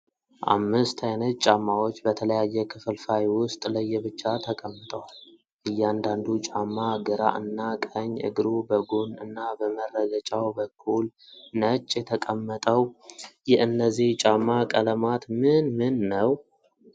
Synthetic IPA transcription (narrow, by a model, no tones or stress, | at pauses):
ʔa̰mːɨst̪ʰajnət̪̚t͡ʃʼamːawo̞t͡ʃːbət̪ʰələjajːɛkʰɨfɨlfajwʊst̪ʼləjːɛbɨt͡ʃːat̪ʰəkʼəmːɨt̪ʼəwal | ʔɨjːɛand̪and̪ut͡ʃʼamːaɡɨɾa̰ʔɨnːakʼəɲːʔɨ̰ɡɾubəɡunɨnːabəmərːəɡət͡ʃʼawbəkʰːulnət͡ʃʼːjɛt̪ʰəkʼəmːət̪ʼəwjɪʔɨnːəzːiht͡ʃʼamːakʼələmat̪mɨnmɨnːəw